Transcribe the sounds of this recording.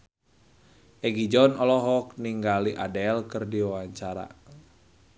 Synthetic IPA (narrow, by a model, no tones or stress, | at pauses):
ʔɛɡid͡ʒɔnɔlɔɦɔk̚niŋɡaliʔadɛlkərdiwawaɲt͡ʃaɾa̰